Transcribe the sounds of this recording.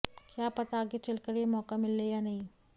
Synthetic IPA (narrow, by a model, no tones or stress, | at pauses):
kjaːpɐt̪aːɡet͡ʃɐlkɐɾiemɔːkamɪlːejanɐɦĩ